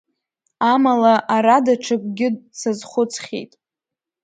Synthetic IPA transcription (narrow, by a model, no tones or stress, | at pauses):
amalaʔaɾadaʈ͡ʂʰak̚ʷʼɡʲɪdsazχʷʊt͡sʰχʲḛjtʼ